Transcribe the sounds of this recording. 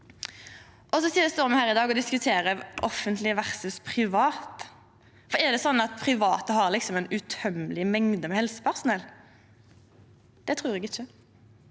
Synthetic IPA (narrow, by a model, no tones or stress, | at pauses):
ʔɔsɔsiːd̪ɛst̪oːʁmɛhæːʁɪd̪ɑːɡɔd̪ɪskʉt̪ʰeːɾəʔɔfːənt̪lɪəʋæʁsʉspʰʁɪʋɑːt̪ | fɔɛʁd̪ɛsɔnːɑt̪̚pʰʁɪʋɑːt̪əhɑʁlɪksɔmɛnʉt̪ʰœmlɪmɛŋd̪əmɛhɛlsə̥pʰæʁsʊnɛl | d̪̥ɛt̪ʰʁʉːʁɛɡɪçːə